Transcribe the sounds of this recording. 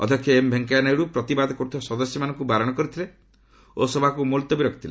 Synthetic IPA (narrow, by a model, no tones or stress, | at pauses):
ɔ̰d̪ʱjɔkʰjɔembʱeŋkaanajɽupɾɔt̪ibad̪ɔkɔɾut̪ʰiasɔd̪ɔsjɔmanɔŋkubaɾɔɽ̃ɔkɔɾit̪ʰile | osɔbʱakumult̪ɔbiɾɔkʰt̪ʰile